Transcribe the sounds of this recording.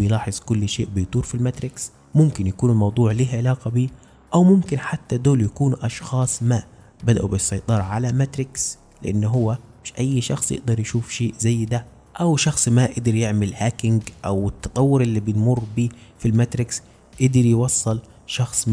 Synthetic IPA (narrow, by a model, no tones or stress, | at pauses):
ɪjlɑːħɨzˤkʊlːʃeːʔbɪjt̪ˤuːɾfilmat̪ɾɪks | mʊmkɪnjakuːnɪlmɑwd̪ˤuːʕlihʕɪlɑːqɑbiː | ʔawmʊmkɪnħat̪ːad̪oːljakuːnʔɑʃxɑːsˤmaːʔ | bad̪a̰ʔubɪsˤːɑjt̪ˤɑːɾˤɑʕalamat̪ɾɪks | lɪʔanːɦʊwːamɪʃʔajːʃɑ̰xsˤjɪ̰ʔd̪ɑɾˤjʃuːfʃeːʔzajːd̪a | ʔawʃɑxsˤmaːʔɪd̪ɪɾjɪʕmɪlhaːkɪŋɡʔawɪt̪ːɑt̪ˤɑwːʊɾʔɪlːibɪt̪mʊrːbiːfilmat̪ɾɪks | ʔɪd̪ɪɾjwɑsˤːɨl | ʃɑxsˤ